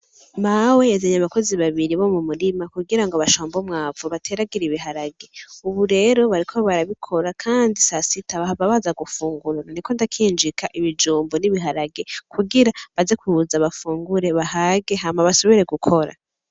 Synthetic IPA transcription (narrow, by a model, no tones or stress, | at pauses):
mawejezeɲaβako̞ziβaβiɾiβo̞mumuɾimakuɡiɾaŋɡoβaʃoːmbomŋaːvuβatʰe̞ɾaɡiɾiβiɦaɾaɡe̞uβuɾe̞ɾo̞βaɾikʰo̞βaɾaβikʰo̞ɾakʰaːndisasitʰaβaβaβazaɡufuːŋɡuɾaniko̞ndakʰiːnd͡ʒikʰaʔiβid͡ʒuːmboniβiɦaɾaɡe̞kʰuɡiɾaβazekuuzaβafuːŋɡuɾe̞βaɦaːɡe̞ɦamaβaso̞βiɾe̞ɡukʰo̞ɾa̰